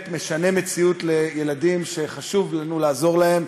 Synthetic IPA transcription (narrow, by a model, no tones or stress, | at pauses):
t̪meʃane̞met͡siut̪le̞jeladimʃe̞χaʃuvlanulaːzo̞ʁlahe̞m